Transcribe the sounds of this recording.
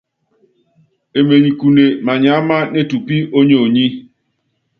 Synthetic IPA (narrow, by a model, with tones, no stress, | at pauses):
e˨me˨ɲi˨ku˨ne˨ma˨ɲa˨˦ma˦ne˦˨tu˨pi˦o˦ɲo˨ɲi˦